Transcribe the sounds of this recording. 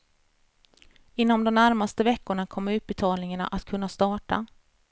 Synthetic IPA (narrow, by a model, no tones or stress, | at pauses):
ɪnːɔmd̪ɔmnæɾmast̪əvɛkːʊɳakʰɔmːɾʉ̟ːp̪̚bɛt̪ʰɑːlnɪŋaɳa̰ʔat̪kʰɵnːast̪ɑːʈa̰